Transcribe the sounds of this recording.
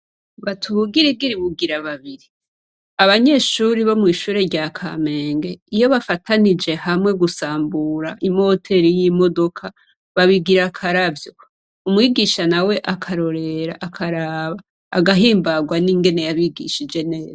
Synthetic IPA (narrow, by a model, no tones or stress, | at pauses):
βatʰuβuɡiɾiɡiɾiβuɡiɾaβaβiɾi | aβaɲe̞ʃuɾiβo̞mwiʃuːɾe̞ɾɟakʰa̰me̞ːŋɡe̞ijo̞βafatʰanid͡ʒe̞hamwe̞ɡusaːmbuɾaʔimo̞tʰe̞ɾijimo̞do̞kʰa | βaβiɡiɾakʰaɾavjo̞ | umwiɡiʃanawe̞ʔakʰaɾo̞ɾe̞ɾa̰ʔːkʰaɾaβaː | ɡaɦiːmbaɡwaniŋɡe̞ne̞jaβiɡḭʃid͡ʒe̞ne̞ːza